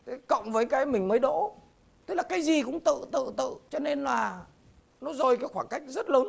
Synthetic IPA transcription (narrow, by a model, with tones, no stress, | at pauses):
t̪ʰe˨˦kə̰˧˨wŋ͡mvəː˨˦jkaː˨˦jm˨˩ŋ̟məː˨˦jɗo̰˧˥ | t̪ɨ˦˥k̚laː˨˩kaː˨˦jzi˨˩kʊ̰˧˥ŋ͡mt̪ɨ̰˧˨t̪ɨ̰˧˨t̪ɨ̰˧˨t͡ɕɔ˧ne˧nlaː˨˩ | nɔ˨˦zo˨˩jkaː˨˦jxwaː˧˩nka˦˥jk̟̚zə˦˥t̚ləː˨˦n